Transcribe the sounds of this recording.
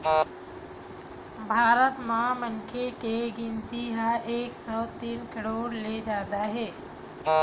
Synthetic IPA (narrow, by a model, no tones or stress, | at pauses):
bʱaːɾət̪mãmənkʰekeɡɪnt̪iɦaʔeːksɔːt̪iːnkəɽoːɾled͡ʒaːd̪aɦɛː